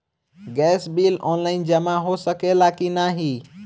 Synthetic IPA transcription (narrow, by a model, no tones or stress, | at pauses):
ɡɛsbilɔnlaɪnd͡ʒəmaɦosəkelakinaɦi